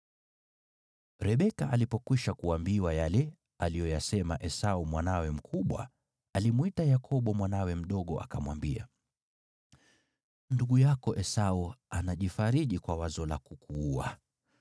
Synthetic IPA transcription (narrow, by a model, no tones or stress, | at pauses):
ɾɛɓɛkaʔalipɔkwiʃakuambiwajalɛ | alijɔjasɛmaʔɛsaumwanawɛm̩kʰuɓwa̰ | alimwitajakʰɔɓɔmwanawɛm̩ɗɔɠɔʔa̰kamwambia̰ | nduɠujakɔʔɛsauanaʄifaɾiʄikwawazɔlakukuːa̰